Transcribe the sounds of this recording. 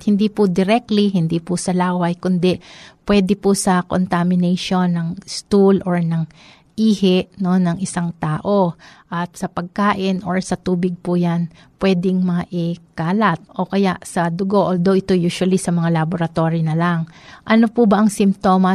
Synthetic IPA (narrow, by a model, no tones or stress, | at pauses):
hɪnd̪ipʊd̪ɪɾɛk̚t̪liɦɪnd̪ipʊsɐlaːwɐjkʊnd̪ɛpwɛd̪ɛpʊsɐko̰nt̪amɪnɛjʃo̞nːɐŋst̪ulʔoɹnɐŋ | ʔiːhɛʔno̞nɐŋʔɪsaŋt̪aːʔo̞ʔɐt̪sɐpɐɡ̚kaːʔɪnʔoɹsɐt̪uːbɪɡ̚pʊjan | pwɛːd̪ɪŋmɐʔɪkaːlɐt̪̚ʔo̞kɐjaʔsɐd̪ʊɡo̞ʔold̪oʔɪt̪o̞juːʃwɐlisɐmɐŋalɐboɾɐt̪o̞ɾinɐlaŋʔɐnopʊbɐʔɐŋsɪmt̪o̞ːmɐ